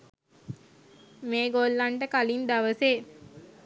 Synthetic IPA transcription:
meːɡolːaɳʈəkalind̪aʋəseː

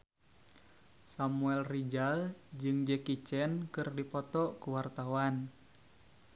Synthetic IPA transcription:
samuɛlrid͡ʒald͡ʒɨŋd͡ʒɛkit͡ʃɛnkɨrdipɔt̪ɔkuwart̪awan

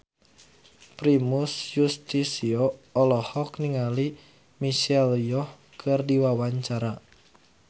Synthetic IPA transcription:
pɾimusjust̪isioɔlɔhɔkniŋali | miʃɛljɔh | kʰɨrdiwawaɲt͡ʃaɾa

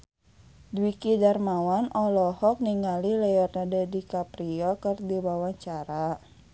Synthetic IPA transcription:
dwikidarmawanʔɔlɔhɔk̚niŋɡalilɛjɔrnadɛdikapɾiɔkɨrdiwawaɲt͡ʃaɾa

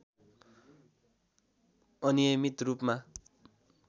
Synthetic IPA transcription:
ʌnijʌmit̪rupma

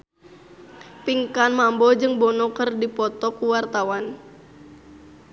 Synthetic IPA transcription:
piŋkanmambɔd͡ʒɨŋbɔnɔkərdipɔt̪ɔkuwart̪awan

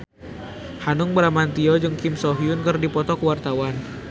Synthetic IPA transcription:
hanʊŋbəɾamant̪iɔd͡ʒɨŋkɪmsɔɦiunkɨrdipɔt̪ɔkəwart̪awan

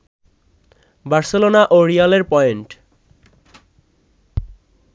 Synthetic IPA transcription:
baɾselonaʔoɾialeɾpɔeɳʈ

